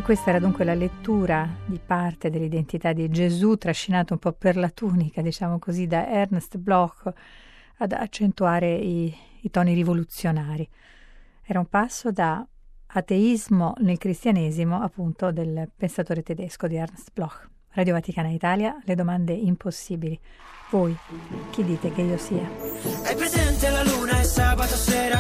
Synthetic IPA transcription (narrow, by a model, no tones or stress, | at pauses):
kːwest̪aɛːɾad̪uŋkwelalet̪ːuːɾad̪ipart̪ed̪elːid̪ent̪it̪ad̪id͡ʒezut̪ːɾaʃːinaːt̪oumpɔperlat̪uːnikad̪it͡ʃaːmokozid̪aʔɛrnst̪blɔkː | ad̪a̰t͡ʃːent̪uaːɾeiːt̪ɔːniɾivolut̪sːjonaːɾi | ɛːɾaumpasːod̪aː | t̪eizmonelkɾist̪janeːzimoapːunt̪od̪elpensat̪oːɾet̪ed̪eskod̪iɛrnst̪blɔkː | rad̪jovat̪ikaːnait̪aːljaled̪omand̪eimposːiːbili | vojk̟id̪ːiːt̪ek̟eiːosiːaɛjpɾezɛnt̪ealaluːnaesaːbat̪osɛːɾa